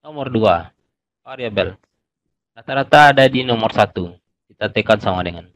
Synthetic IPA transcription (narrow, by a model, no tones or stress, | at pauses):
nɔmɔrdua | aɾiabɛl | rat̪aɾat̪adadinɔmɔrsat̪u | kit̪at̪ɛkansamadɛŋan